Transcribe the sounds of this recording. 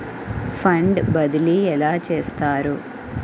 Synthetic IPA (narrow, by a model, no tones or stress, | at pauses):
pʰɐɳɖbɐd̪iliɛlaːt͡ʃeːst̪aːɾu